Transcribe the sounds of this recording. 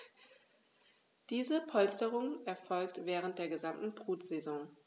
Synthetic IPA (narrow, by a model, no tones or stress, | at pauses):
d̥iːzəpʰɔlstəʁʊŋʔɛɐfɔlktv̥ɛːʁ̞əntd̥eːɐɡəzamtn̩bʁuːtz̥ezɔ̃ŋ